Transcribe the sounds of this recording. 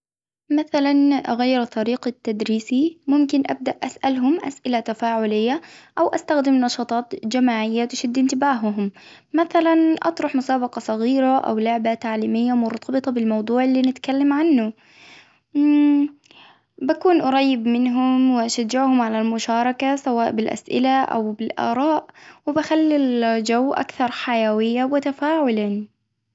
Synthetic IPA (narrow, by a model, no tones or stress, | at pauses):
maθalanʔa̰ɣajːɪɾt̪ˤːɑɾiːqat̪ːad̪ɾiːsimʊmkɪnʔa̰b̚d̪aʔʔasʔalɦʊmʔa̰sʔɪlat̪afaːʕʊlɪjːaʔawʔast̪axd̪ɪmnɑʃɑːt̪ˤɑːt̪d͡ʒamaːʕɪjːat̪ɪʃad̪ːʔɪnt̪ɪbaːɦʊɦʊmː | aθalanʔɑ̰t̪ˤɾˤʊħmʊsaːbɑqɑsˤɑɣiːɾaʔa̰wlʊʕbat̪aʕliːmɪjːamʊɾˤt̪ˤʰɑbɨt̪ˤɑbɪlmɑwd̪ˤuːʕɪlːiːnɪt̪kalːamʕanːʊ | bakuːnʔʊɾˤɑjːɪbmɪnɦʊmwɪʔaʃad͡ʒːɪʕhʊmʕalalmʊʃɑːɾˤɑkasawaːʔbɪlʔa̰sʔɪ̰laʔa̰wbɪlʔɑ̰ːɾˤɑːʔwɪbaxalːild͡ʒawːʔa̰kθɑɾˤħajawɪjːawɪt̪afaːʕʊlan